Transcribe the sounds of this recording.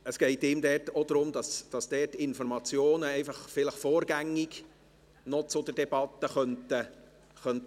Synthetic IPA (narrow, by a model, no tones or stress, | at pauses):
əsɡ̥ɛɪtɪmd̪ɛːtod̥̪ɾʊmd̥̪ɑsd̥ɑsd̥ɛːtɪnfɔɾmɑt͡sjoːnəɛɪfɑχfɪləχfoːɾɡæŋːɪɡ | nɔt͡sʊd̪əɾdɛb̥ɑt̪ːəχœntə | χœnt